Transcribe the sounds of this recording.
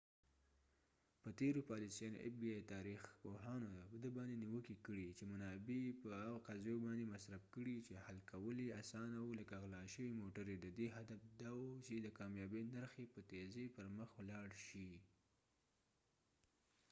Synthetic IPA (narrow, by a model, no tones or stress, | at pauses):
pət̪eɾopɑlisijɑno̰ʔḛfbiɑjt̪ɑɾixpoɦɑnopəd̪əbɑnd̪eniwəkikəɽit͡ʃemʊnɑbepəaqazjobɑnd̪emasɾafkəɽit͡ʃehalkawəliasɑnawuləkaɣlɑʃəwimoʈəɾed̪əd̪eɦad̪afd̪ɑwut͡ʃed̪əkɑmjɑbenaɾxepət̪ezepəɾməxwlɑɽʃi